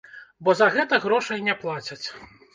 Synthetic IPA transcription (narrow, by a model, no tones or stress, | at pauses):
bɔzɐɣɛt̪ɐɣɾɔʂɐjnʲɛplˠat͡sʲɐt͡sʲ